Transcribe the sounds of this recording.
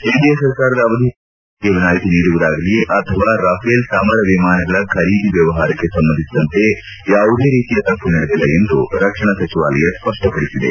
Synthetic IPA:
eːɖijɐjsɐɾkaːɾɐd̪ɐːʋɐd̪ʱi | ɡeʋinaːjit̪iniːɽuʋud̪aːɡɐlijeʔɐt̪ʰɐʋaːɾaːpʰeːlsaːmɐɾɐʋimaːnɐɡɐɭɐkʰɐɾiːd̪ʱiʋjɐʋɐɦaːɾɐkːe̞sɐmbɐnd̪ʱisid̪ɐnt̪e̞ | jaːʋud̪e̞ːɾiːt̪ijɐt̪ɐpunɐɽed̪ilːɐe̞nd̪ṵɾɐkʂɐɳɐsɐt͡ʃiʋa̰ːlɐjɐspɐʂʈɐpɐɽisid̪ḛ

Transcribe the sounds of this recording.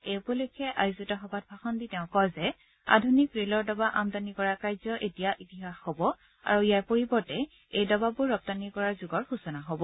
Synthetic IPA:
ejpɔlukʰɛʔajuzitɔxɔbʱat̚bʱaxɔnditɛʊ̃kɔzɛ | a̰dʱunikɹelɔɹdɔbaʔamdanikɔɹaɹkajzɔʔetijaʔitiɦaxhobɔ | a̰ɹuijaɹpoɹibɔɹtɛ | ejdɔbabʊɹɹːɔp̚tanikɔɹaɹzuɡɔɹxusɔnaɦobɔ

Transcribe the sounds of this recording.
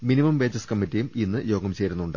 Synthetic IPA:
minimɐmʋe̞ːd͡ʑɐskɐmːitːijuminːɨjo̞ːɡɐmt͡ɕe̞ːɾunːuɳɖɨ

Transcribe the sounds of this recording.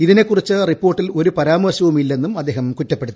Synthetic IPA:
iðine̞kːurit͡ɕːɨripːo̞ːrʈːilo̞ɾupɐɾaːmɐrɕɐʋumilːe̞nːumɐd̪ːe̞ːhɐmkutːɐpːe̞ɽut̪ːu

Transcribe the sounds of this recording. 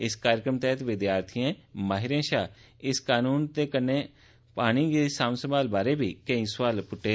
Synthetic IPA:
ɪskaːɾəkɾəmt̪ɛːt̪ʋɪd̪jaːɾt̪ʰijẽːmaːɦɪɾẽːʃaː | ɪskaːnuːnt̪eːkənːeː | paːɽ̃ĩːɡeːsaːmsəmaːlbaːɾeːbiːkẽĩːswaːlpʊʈːeː

